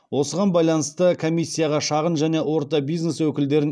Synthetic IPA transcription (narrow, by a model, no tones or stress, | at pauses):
wo̞səʁɑnbɑjlˠɑnəst̪əkʰo̞mʲijsʲːijaʁɑʃɑʁənʒæne̞wo̞ɾt̪ɑbijzne̞swɵkʲɪld̪e̞ɾɪn